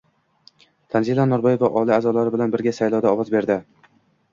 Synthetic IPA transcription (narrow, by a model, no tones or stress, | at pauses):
t̪ʰanzilˠanɒɾbɒjevaʔɒlˠɪazɒlaɾɪbɪlanbɪɾɡʲasajlˠɒwd̪aɒwɒzbe̞ɾd̪ɪ